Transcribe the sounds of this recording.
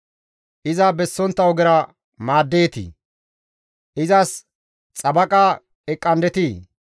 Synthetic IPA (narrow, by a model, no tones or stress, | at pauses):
ʔɪzɐbɛsːɔnt̪ːɐwɡɪɾɐ | maːd̪ːeːt̪ḭ | ʔɪzɐs | t͡sʼɐbɐkʼa | ɛkʼːɐnd̪ɛt̪i